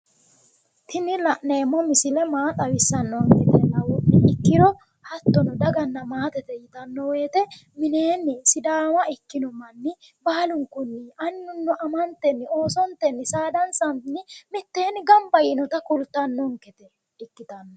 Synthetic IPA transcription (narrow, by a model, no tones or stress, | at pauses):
t̪ɪnːɪlɐʔneːmːɔmɪsɪlɛmaːt̪ʼɐwɪsːɐnːɔŋkɛt̪ɛnɐwʊʔɪɪkːɪɾɔ | hɐt̪ːɔnɔd̪ɐɡɐnːɐmaːt̪ɛt̪ɛjɪt̪ɐnːɔwe̞ːt̪ɛ | mɪne̞ːnːɪsɪd̪aːwɐɪkːɪnɔmɐnːɪ | bɐːlʊŋkʊnːɪɐnːʊnːɔʔɐmɐnt̪ːɛnːɪo̞ːsɔnt̪ɛnːɪsaːd̪ɐnsɐnnɪmɪt̪ːeːnɪɡɐmbɐjɪnɔt̪ɐkʊlt̪ːɐnːɔŋkɛt̪ɛ | ɪkːɪt̪ɐnːɔ